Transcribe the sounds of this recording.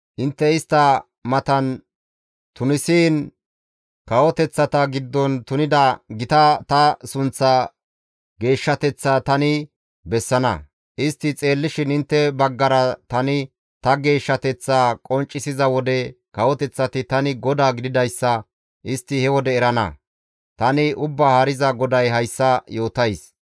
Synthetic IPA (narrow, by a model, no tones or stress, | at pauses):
ʔɪnt̪ːɛɪst̪ːɐ | mɐt̪ɐn | t̪ʊnɪsiːn | kɐwɔt̪ɛt͡sːɐt̪ɐɡɪd̪ːɔnt̪ʊnɪd̪ɐɡɪt̪ɐt̪ɐsʊnt͡sːɐ | ɡe̞ːʃːɐt̪ɛt͡sːaːt̪ɐnɪ | bɛsːɐnɐ̰ | ʔɪst̪ːɪt͡sʼe̞ːlːɪʃɪnɪnt̪ːɛbɐɡːɐɾɐt̪ɐnɪ | t̪ɐɡe̞ːʃːɐt̪ɛt͡sːaːkʼɔnt͡ʃʼːɪsɪzɐwɔd̪ɛ | kɐwɔt̪ɛt͡sːɐt̪ɪt̪ɐnɪɡɔd̪aːɡɪd̪ɪd̪ɐjsːɐ | ʔɪst̪ːɪhɛwɔd̪ɛːɾɐnɐ̰ | t̪ɐnɪʔʊbːaːhɐɾɪzɐɡɔd̪ɐjɦɐjsːɐjo̞ːt̪ɐjs